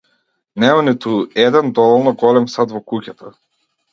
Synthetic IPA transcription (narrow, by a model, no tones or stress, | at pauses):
nɛmanit̪uɛd̪ɛnd̪ɔvɔlˠnɔɡɔlɛmsat̪vɔkucat̪a